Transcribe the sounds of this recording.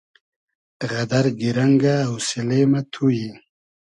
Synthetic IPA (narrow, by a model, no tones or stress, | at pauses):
ɣad̪aɾɡiɾaŋɡaːwsilemat̪ʰuji